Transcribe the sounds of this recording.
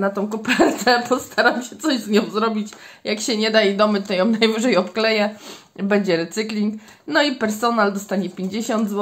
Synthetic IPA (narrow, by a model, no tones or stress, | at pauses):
nat̪ɔ̃w̃kupɛɾt̪ɛpɔst̪ʰaɾamɕɛt̪sɔʑzɲɔ̃w̃zɾɔbʲit͡ɕjakɕɛɲɛd̪aid̪ɔmɘt̪ɔjɔmnajvɘʐɛjɔpklɛjɛ | bɛɲd͡ʑɛɾɛt̪sɘklʲiŋk | nɔipɛɾsɔnald̪ɔst̪aɲɛpʲeɲd͡ʑeɕɔnd̪zwɔ